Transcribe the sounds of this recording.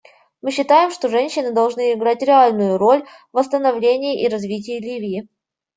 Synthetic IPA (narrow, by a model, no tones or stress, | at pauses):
mɨɕːɪt̪ajɪmʂt̪o̞ʐɛnʲɕːɪnɨd̪ɐlˠʐnɨɪɡɾatʲɾʲɪalʲnʊjʊɾo̞lʲ | vəst̪ənɐvlʲenʲɪjɪʔiɾɐzvʲit̬ʲɪjːlʲivʲɪɪ